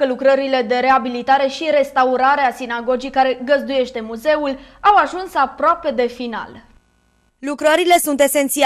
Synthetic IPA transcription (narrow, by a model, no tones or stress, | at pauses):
əlukɾəɾile̞d̪e̞ɾe̞abilit̪aɾe̞ʃiɾe̞st̪auɾaɾe̞asinaɡo̞d͡ʒijkaɾe̞ɡəzd̪uje̞ʃt̪e̞muze̞ulawaʒunsapɾoape̞d̪e̞fina̰l | lukɾəɾile̞sunt̪e̞se̞nt̪si